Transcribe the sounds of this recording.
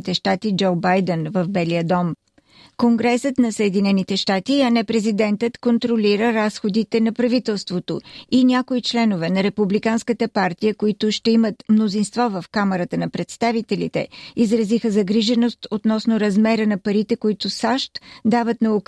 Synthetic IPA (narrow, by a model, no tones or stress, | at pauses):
t̪ɛʃt̪at̪id͡ʒowbajd̪ɛnvɐvbɛlijəd̪ɔm | koŋɡɾɛsət̪nɐsəɛd̪inɛnit̪ɛʃt̪at̪iɐnɛpɾɛzid̪ɛnt̪ət̪kont̪ɾoliɾəɾasxod̪it̪ɛnɐpɾɐvit̪ɛlˠst̪vot̪oinʲjakoit͡ʃlɛnovɛnɐɾɛpublikanskət̪əpaɾt̪ijəkoit̪ʊʃt̪ɛimət̪mnozinst̪vɔvəfkamɛɾət̪ənɐpɾɛt̪st̪avit̪ɛlḭt̪ɛ̰izɾɐzixəzɐɡɾiʒɛnost̪ot̪nɔsnoɾɐzmɛɾənɐpɐɾit̪ɛkoit̪ʊsaʃt̪d̪avət̪nɐok